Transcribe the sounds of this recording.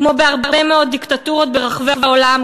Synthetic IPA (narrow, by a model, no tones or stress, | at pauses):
kmo̞beaʁbʁbemeo̞t̚d̪ikt̪at̪uʁo̞t̪̚be̞ʁaχvevaolam